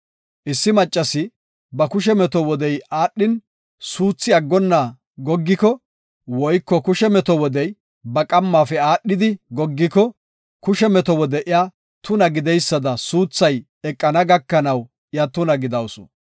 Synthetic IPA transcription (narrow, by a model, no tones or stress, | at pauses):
ʔɪsːɪmɐt͡ʃʼːɐsɪ | bɐkʊʃɛmɛt̪ɔwɔd̪ɛjaːɗːɪn | suːt͡sːɪɐɡːɔnːaː | ɡɔɡːɪkɔ | wɔjkːɔkʊʃɛmɛt̪ɔwɔd̪ɛj | bɐkʼɐmːaːfɛaːɗːɪd̪ɪɡɔɡːɪkɔ | kʊʃɛmɛt̪ɔwɔd̪ɛʔɪja | t̪ʊnɐɡɪd̪ɛjsːɐd̪ɐsuːt͡sːɐj | ɛkʼːɐnɐɡɐkːɐnɐw | ɪjɐt̪ʊnɐɡɪd̪ɐwsɔ̥̰